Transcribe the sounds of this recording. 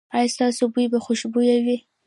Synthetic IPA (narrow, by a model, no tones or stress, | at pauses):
ɑjɑst̪ɑsobujbaxʊʃbujawi